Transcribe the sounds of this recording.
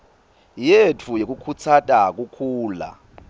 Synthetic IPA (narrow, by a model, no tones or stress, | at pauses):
jetʰujek̬ʼukʰut͡sʰatʼak̬ukʰuːla̰